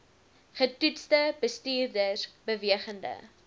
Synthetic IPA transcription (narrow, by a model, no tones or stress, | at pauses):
χətutstəbəstiːrdərbəviəχəndə̰